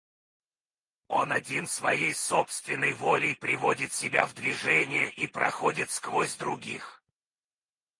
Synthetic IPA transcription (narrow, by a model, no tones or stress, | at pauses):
onɐdʲinsvɐ̰jejsopst̪vʲɪnːəjvolʲɪjpɾʲɪvo̞dʲɪt̪sʲɪbʲa̰vd̪vʲɪʐɛnʲɪjəʔipɾʔɐ̰xodʲɪt̪skvozʲd̪ɾʊɡʲix